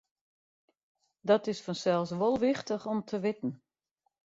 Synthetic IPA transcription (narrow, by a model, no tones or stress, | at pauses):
dɔtɪsfɔnsɛlˠsʋolˠʋɪxtəxɔmtʰəʋɪtn̩